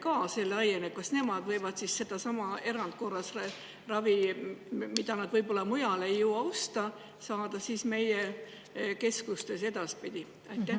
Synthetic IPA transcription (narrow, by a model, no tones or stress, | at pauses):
kɑːse̞lːɑjenep̚kɑsne̞mɑd̪̥vɤ̞jvɑd̪̥sisːe̞d̪̥ɑsɑmɑe̞ɾɑnd̪t̪̚ko̞rːɑs | rɑvi | mid̪̥ɑnɑd̪vɤjbo̞lːɑmujɑle̞jːuwɑost̪ɑ | sɑːd̪̥ɑsiːsme̞jɛ | ke̞skust̪e̞se̞d̪̥ɑspid̪̥i | ɑjt̪ːˑæ